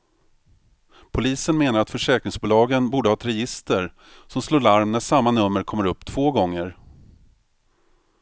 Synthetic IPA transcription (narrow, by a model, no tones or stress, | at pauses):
pʰʊliːsənmeːnaɾat̪fœʂɛːkɾɪŋsbʊːlɑːɡənbuːɖəhɑːɛt̪ɾɛjɪst̪əɾ | sɔmsloːɾɭaɾmnæʂamːanɵmːəɾkʰɔmːəɾɵpːt̪ʰv̥oːɡɔŋːəɾ